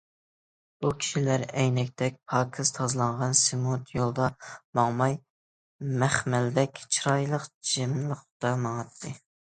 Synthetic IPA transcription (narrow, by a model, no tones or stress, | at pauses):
bukʲʰi̥ʃilæɾɛjnɛk̚ʲt̪ʰɛk̚ʲpʰɑːkʰɨz̥t̪ʰɑzlˠɑɴʁɑnsemut̪ʰjolˠd̪ɑmɑŋmɑj | mæχmɛld̪ɛkʲt͡ʃʰɾɑjlˠəqd͡ʒemləχt̪ɑmɑŋɑt̪ʰːɨ